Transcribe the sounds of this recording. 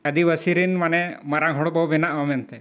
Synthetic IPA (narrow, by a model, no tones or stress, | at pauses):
əd̪ibəsiɾinmanɛmaɾaŋɦɔɽbɔwbɛnaʔamɛnt̪ɛ